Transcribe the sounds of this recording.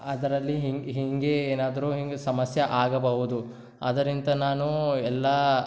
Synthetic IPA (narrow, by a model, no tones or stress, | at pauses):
ɐd̪ɐɾɐlːiɦiɦiŋɡe̞eːnaːd̪ɐɾuːɦiŋɡesɐmɐsjɐʔaːɡɐbɐɦud̪u | ɐ̰d̪ɐɾint̪ɐnaːnuɛlːɐ